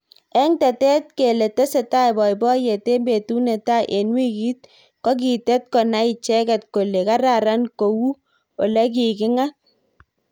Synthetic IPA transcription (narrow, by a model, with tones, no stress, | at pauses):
ɛ˦ŋtɛ˨tɛ˦t̚ke˨le˨te˦se˨ta˦jbɔ˨jbɔ˦je˨te˦mbe˨tu˦ne˨ta˦ʔe˨nwi˦ki˦t̚ | kɔ˦k̬i˨tɛ˦t̚kɔ˨na˦i˨t͡ʃɛ˦kɛ˨t̚ko˨le˨ka˦ɾa˨ɾa˦nko˨wu˦ | o˨lɛ˦k̬i˨kɪ˦ŋa˦